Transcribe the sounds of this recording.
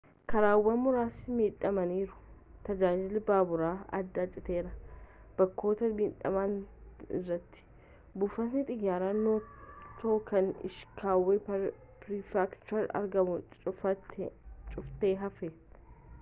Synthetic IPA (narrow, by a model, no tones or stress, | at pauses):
kʰɐɾaːwːɐnmʊɾaːsmiːᶑɐmɐniːɾʊ̥t̪ɐd͡ʒaːd͡ʒɪlbaːbʊɾaːɐ̰d̪ːat͡ʃʼɪt̪eːɾɐb̥ɐkːo̞ːt̪ɐmiːᶑɐ̰maːnɪ̰rːɐt̪ːɪ̥ | bʊːfɐt̪nɪt̪ʼɪɡaːɾaːnːoːt̪oːkɐnɪ̰ʃkʰaːwːeː | pɾɪfakt͡ʃʊɐɾɐ̰ɾɡɐmʊɐ | t͡ʃʼʊft̪eːɦɐfɛ